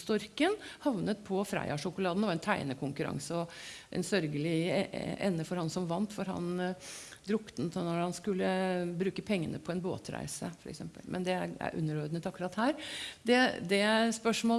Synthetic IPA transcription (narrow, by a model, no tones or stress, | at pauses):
st̪ɔɾkənhɑʋnət̪̚pʰɔfɾæ̰ɪɑʂʊkʊlɑːd̪nɛʋɑɾɛnt̪ʰæɪnəkʰʊŋkʉɾɑ̰ŋsəɔʔɛ̰nsœɾɡəlɪɛ̰nːəfɔɾhɑnsɔmʋɑnt̪fɔɾɦɑ̰n | d̪ɾʊkːt̪nnɔɾhɑnskʉlːəbɾʉːkəpʰɛŋːənəpʰɔɛnbo̰ːt̪ɾæ̰ɪsəfɔɾɛksɛmpə̰lmʔɛ̰nd̪ɛæɾæ̰ɾʔʉ̰nːəɾɔd̪nət̪ɑkʉɾɑt̪hæːɾd̪ɛd̪ɛspœʂmoː